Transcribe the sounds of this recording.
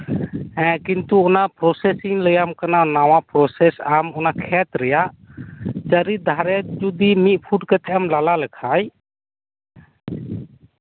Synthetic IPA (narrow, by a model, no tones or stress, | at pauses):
ɛkint̪uɔnaʔpɾɔsɛsiŋləjamkananawapɾɔsɛsamɔnakʰɛt̪ɾɛjaʔ | d͡ʒaɾid̪ʱaɾɛd͡ʒud̪imit̪̚ˀpʰuʈkɛt̪ɛʔamlalaləkʰaj